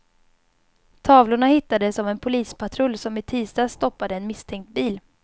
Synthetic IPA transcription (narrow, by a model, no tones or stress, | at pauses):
t̪ʰɑːvlʊɳahɪt̪ːad̪əsɔvɛnpʰʊliːspʰat̪ʰɾɵlːsɔmɪt̪ʰiːst̪ɑːst̪ɔpːad̪əɛnmɪst̪ʰɛŋk̚t̪̚biːl